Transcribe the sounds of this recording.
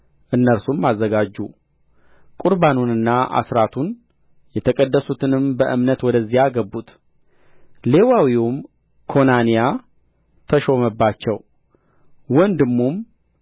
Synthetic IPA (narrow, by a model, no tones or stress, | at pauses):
ʔɨnːəɾsumːazːəɡad͡ʒːṵ | kʼuɾbanunɨnːaʔa̰sɾat̪ʰun | jɛt̪ʰəkʼəd̪ːəsut̪ʰɨnɨmbəʔɨ̰mnət̪wɔd̪əzːijaɡəbːut̪ | le̞wawium | kʰo̞nanija | t̪ʰəʃo̞məbːat͡ʃːɛw | wɔnd̪ɨmːum